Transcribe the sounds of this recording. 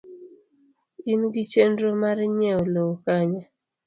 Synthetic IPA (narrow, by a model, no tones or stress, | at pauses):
inɡit͡ʃendɾomaɾɲɛolookaɲa